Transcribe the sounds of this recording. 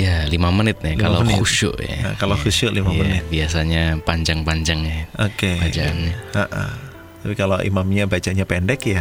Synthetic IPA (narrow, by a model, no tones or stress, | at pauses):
jalimamənɪt̪̚nɛkalouʃʊ̰ʔja̰kalokuʃʊʔlimaənɪt̪biasaɲapaɲd͡ʒaŋpaɲd͡ʒaŋaʔokebad͡ʒaanɲahaʔa̰ | t̪apikaloʔḭmamɲabat͡ʃaʔɲapɛndɛkja